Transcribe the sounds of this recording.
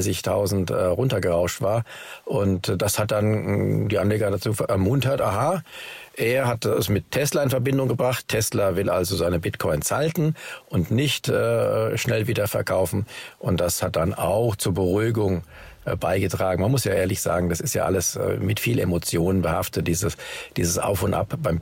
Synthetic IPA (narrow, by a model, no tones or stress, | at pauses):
sɪçtʰaʊzn̩təʁʊntɐɡəʁaʊʃtv̥aːɐʔʊntd̥ashat̚d̥andiːʔanleːɡɐdat͡suːfɛɐʔɛɐmʊntɐtʔaːɦaːʔeːɐɦatɛsmɪtʰɛslɐɪnfɛɐbɪndʊŋɡəbʁaχtʰɛslɐvɪlʔa̰lzozaɪnəbɪtkʰɔʏnsaltn̩ʔʊntnɪçtʔəːʃnɛlviːdɐfɛɐkʰaʊfn̩ʔʊnt̚d̥ashat̚d̥ana̰ʊxt͡suːɐbəʁuːɡʊŋ | b̥aɪɡətʁ̥aːɡŋ̩manmʊsjaːʔeːɐlɪçz̥a̰ːɡŋ̩d̥asɪstja̰ːʔa̰ləsːmɪtfiːlʔḛmot͡sjoːnənbəhaftət̚d̥iːzəd̥iːzəsʔa̰ʊfʊntʔa̰pb̥aɪm